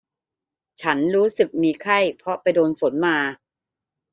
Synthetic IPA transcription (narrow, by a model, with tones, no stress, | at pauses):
t͡ɕʰa˦˥nɾuː˦˥sɯ˨˩k̚miː˧kʰa˥˩jpʰɾɔ˦˥pa˧jdoː˧nfo˩˦nmaː˧